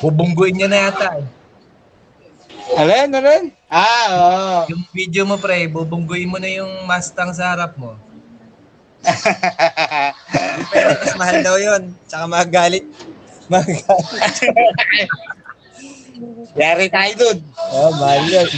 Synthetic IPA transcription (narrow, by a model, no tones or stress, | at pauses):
bubʊŋɡʊʔɪnɲonɐjat̪aj | ɐlonɐnon | ʔaojʊŋvid̪jomopɾɛbubʊŋɡʊʔɪnmonɐjʊŋmast̪ɐŋs̬ɐhaɾap̚mo̞ | pɛɾomɐsmɐhald̪ɐwjont͡ʃɐkamɐɐɡaːlɪt̪̚ | mɐɡal | jaːɾɪt̪aːjʊd̪onʔomɐhaljo